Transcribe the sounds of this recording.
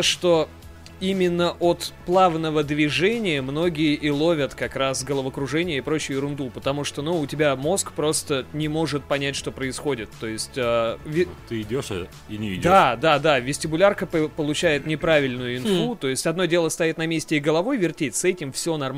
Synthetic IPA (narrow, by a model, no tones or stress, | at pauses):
ʂt̪o̞ | imʲɪnːəʔot̪plˠavnəvəd̪vʲɪʐɛnʲɪjəmno̞ɡʲɪjɪʔɪlˠo̞vʲət̪kɐkɾasɡəlˠəvəkɾʊʐɛnʲɪjəɪpɾo̞t͡ɕɪjʊɪɾʊnd̪upət̪ɐmuʂt̪o̞nuʊtʲɪbʲamo̞skpɾo̞st̪ənʲɪmo̞ʐɨt̪̚pɐnʲætʲʂt̪o̞pɾəɪsxo̞dʲɪt̪ːo̞jɪsʲtʲavʲɪt̪ɨɪdʲoʂ | inʲɪɪd̪ad̪ad̪avʲɪsʲtʲɪbʊlʲarkəppəlˠʊt͡ɕæjɪt̪nʲɪpɾavʲɪlʲnʊjʊɪnfut̪o̞jɪsʲtʲɐd̪no̞dʲe̞lˠəst̪ɐjit̪nɐmʲesʲtʲɪɪɡəlˠɐvo̞jvʲɪrtʲetʲsɛtʲɪmfsʲo̞nɐrm